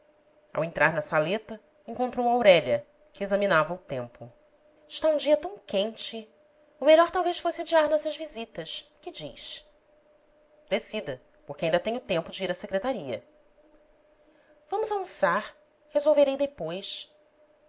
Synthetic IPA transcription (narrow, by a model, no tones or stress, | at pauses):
a̰wẽnt̪ɾʔaɾnɐsalet̪ɐ | ẽŋkõnt̪ɾowawɾɛʎɐ | kɪezɐminavɐʊt̪ẽmpʊ | ɪʃt̪aũd͡ʒiɐt̪ɐ̃w̃kẽnt͡ʃɪ | ʊmeʎɔɾt̪awvejʃfosɪad͡ʒiaɾnɔsɐʒvizit̪ɐʃkɪd͡ʒiʃ | d̪esid̪ɐ | poχkɪaĩd̪ɐt̪ẽɲʊt̪ẽmpʊd͡ʒɪiɾɐsekɾet̪aɾiɐ̰ | vɐ̃mʊzaũsaɾ | hezowveɾejd̪epojs